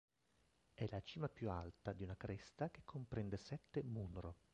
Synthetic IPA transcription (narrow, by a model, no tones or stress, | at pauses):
ɛlat͡ʃiːmapjualt̪ad̪iunakɾʔest̪ak̟e̥kʰːompɾɛnd̪esɛt̪ːemunɾo